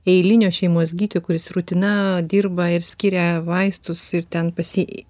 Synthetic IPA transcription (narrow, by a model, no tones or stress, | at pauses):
ɛɪlʲɪnʲoːʃʲɛɪmuɔsʲɡʲiːt̪ʲoːkʊɾʲɪsɾut̪ʲɪnɐd̪ʲirbɐɪɾsʲkʲɪɾʲɛʋɐɪst̪ʊsɪɾt̪ʲɛnpɐsʲɪ